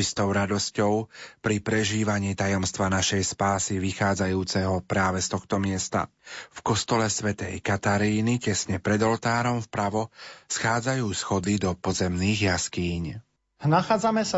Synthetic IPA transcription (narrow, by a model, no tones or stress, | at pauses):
t͡ʃist̪ɔʊɾad̪ɔscɔʊpɾipɾɛʒiːʋaɲiːt̪ajɔmst̪ʋanaʃɛjspaːsiʋixaːd͡zajuːt͡sɛɦɔpɾaːʋɛst̪ɔxt̪ɔmɪɛst̪a̰fkɔst̪ɔlɛsʋɛt̪ɛjkat̪aɾiːnicɛsɲɛpɾɛd̪ɔlt̪aːɾɔmfpɾaʋɔsxaːd͡zajuːsxɔd̪id̪ɔpɔzɛmniːɣjaskiːɲ | naxaːd͡zamɛsa